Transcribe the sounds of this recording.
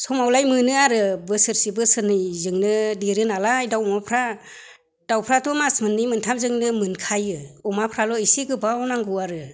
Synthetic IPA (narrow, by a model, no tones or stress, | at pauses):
sɔmawlajmɯnɯaɾɯbɯsɯɾsibɯsɯnɯjzɯŋnɯdeɾɯnalajdawmapʰɾa | d̥awpʰɾatɔmasmɯnːijmɯntʰamzɯŋnɯmɯnkʰajɯɔmapʰɾalɔisiɡɯbawnaŋɡɯaɾɯ